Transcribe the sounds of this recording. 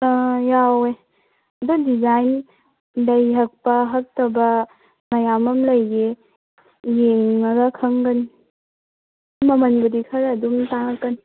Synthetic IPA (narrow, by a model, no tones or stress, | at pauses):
jawe | dadizajn | lɐjɦɐk̚pɐɦɐk̚tɐbɐ | mɐjamɐmlɐjɡe | jeŋːɐɡɐkʰɐŋɡɐn | mɐmɐnbudikʰɐɾduŋtaŋkːɐn